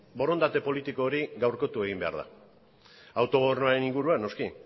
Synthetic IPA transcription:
bo̞ɾo̞nd̪at̪e̞po̞lit̪iko̞ːɾiɡawɾko̞t̪ue̞ɣimbe̞a̰ɾða̰ | awt̪o̞ɣo̞eɾnoaɾe̞niŋɡuɾuano̞ski

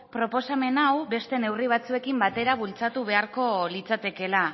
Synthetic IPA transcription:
pɾo̞po̞same̞nawbe̞st̪e̞ne̞wriβ̞at͡sue̞kimbat̪e̞ɾaβult͡sat̪uβ̞e̞aɾko̞lit͡sat̪e̞ke̞la

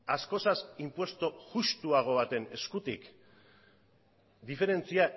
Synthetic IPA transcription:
asko̞sasimpwe̞st̪oɣust̪uaɣ̞o̞βat̪e̞ne̞skut̪ḭk | d̪ife̞ɾe̞nt͡sia

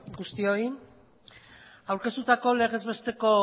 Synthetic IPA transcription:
ɡust̪io̞i | awɾke̞st̪ut̪ako̞le̞ɣ̞e̞zβe̞st̪e̞ko̞

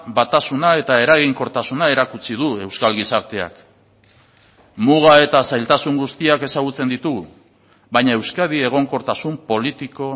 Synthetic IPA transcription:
bat̪asunae̞t̪ae̞ɾaɣ̞iŋko̞ɾt̪asunae̞ɾakut͡siðue̞wskalɣisaɾt̪e̞a̰k | muɣ̞ae̞t̪asajlt̪asuŋɡust̪iake̞saɣ̞ut͡se̞nd̪it̪uɣu | βajɲae̞wskað̞ie̞ɣ̞o̞ŋko̞ɾt̪asumpo̞lit̪iko̞

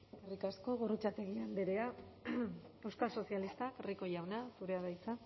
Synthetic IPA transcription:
kerikasko̞ɣorut͡sat̪e̞ɣiald̪e̞ɾe̞a | e̞wskalso̞sialist̪akeriko̞jawnasuɾe̞aðajt͡sa

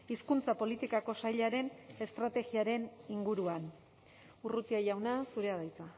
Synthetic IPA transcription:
iskunt͡sapo̞lit̪ikako̞sajʎaɾe̞ne̞st̪ɾat̪e̞ɣiaɾe̞niŋɡuɾuan | urut̪iajawnasuɾe̞aðajt͡sa

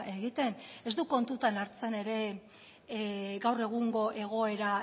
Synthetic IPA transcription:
ʔe̞ɣit̪e̞ne̞zd̪uko̞nt̪ut̪anaɾt͡se̞ne̞ɾe̞ | ɡawre̞ɣ̞uŋɡo̞ʔe̞ɣ̞o̞e̞ɾa

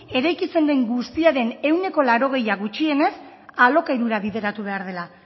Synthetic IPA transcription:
e̞ɾajkise̞ndeŋɡust̪iaɾe̞ne̞wne̞ko̞laɾo̞ɣ̞e̞jaɣut͡ʃie̞ne̞s | alo̞kaiɾuɾaβiðe̞ɾat̪uβe̞aɾð̞e̞la

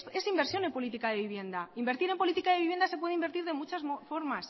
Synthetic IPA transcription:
e̞simbeɾsjo̞ne̞mpo̞lit̪ikaðe̞βiβje̞nd̪aimbe̞ɾt̪iɾe̞mpo̞lit̪ikaðeβiβje̞nd̪asepwe̞ð̞eimbe̞ɾt̪iɾð̞e̞mut͡ʃasmofoɾmas

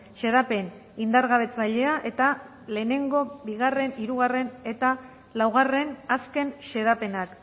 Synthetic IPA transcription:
ʃe̞ðape̞n | ind̪aɾɣaβ̞e̞t͡saʎe̞aʔe̞t̪a | le̞ːne̞ŋɡo̞βiɣare̞niɾuɣare̞ne̞t̪a | lawɣ̞are̞naske̞nʃe̞ðape̞nak

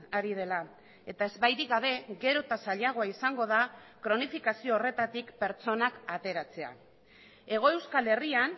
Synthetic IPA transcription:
aɾið̞e̞la | e̞t̪ae̞zβajðiɣaβ̞e̞ɣe̞ɾo̞t̪asaʎaɣ̞o̞aisaŋɡo̞ð̞akɾo̞nifikasio̞ːre̞t̪at̪ikpe̞ɾt͡so̞nakat̪e̞ɾat͡se̞a̰ | e̞ɣ̞o̞e̞wskale̞rian

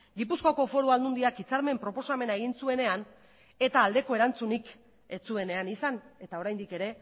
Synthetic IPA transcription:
ɡipuskoako̞fo̞ɾuald̪und̪iakit͡saɾme̞mpɾo̞po̞same̞nae̞ɣinsue̞ne̞an | e̞t̪aːld̪e̞ko̞e̞ɾant͡sunik | e̞t͡sue̞ne̞anisane̞t̪ao̞ɾajnd̪ike̞ɾe̞

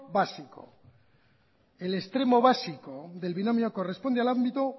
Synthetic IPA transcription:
βasiko̞̰ | e̞le̞st̪ɾe̞mo̞βasiko̞ðe̞lβinamioko̞re̞spo̞nd̪e̞alambit̪u

